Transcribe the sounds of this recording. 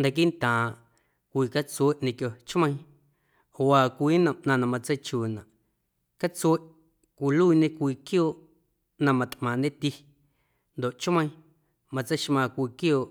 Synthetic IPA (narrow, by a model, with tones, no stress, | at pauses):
nd̪a˧k̬i˦ʔnt̪ãː˨ | kʷiː˧ka˦t͡se˦ʔɲẽ˧kjo˧t͡ʃmə̃˧j̃ | o˨ʔaː˧˨kʷiː˦nã˧˨ʔnã˧nã˧mã˧t͡se˦jt͡ʃuː˨nã˨ʔ | ka˦t͡swe˦ʔ | kʷi˨lu˦i˧ɲẽ˦kʷiː˧˨kjoː˦˨ʔ | nã˧mã˧t̪ʔmãː˨nẽ˦t̪i˦˧ | nd̪o˨ʔt͡ʃmə̃˧j̃ | mã˧t͡se˦ʃmãː˧kʷiː˧kjoː˦˨ʔ